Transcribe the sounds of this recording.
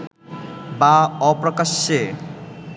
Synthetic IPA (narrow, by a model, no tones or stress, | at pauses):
baɔprʌkasːe